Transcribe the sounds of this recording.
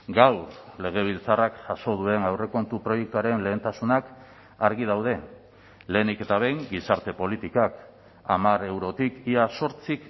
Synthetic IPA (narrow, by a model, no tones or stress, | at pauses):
ɡawle̞ɣ̞e̞β̞ilt͡sarakʝaso̞ð̞ue̞nawre̞ko̞nt̪upɾo̞jek̚t̪uaɾe̞nle̞ːnt̪asunak | aɾɣið̞awð̞e̞ | le̞ːnike̞t̪aβ̞e̞jŋɡisaɾt̪e̞po̞lit̪ikak | a̰mare̞wɾo̞t̪ikiaso̞ɾt͡sik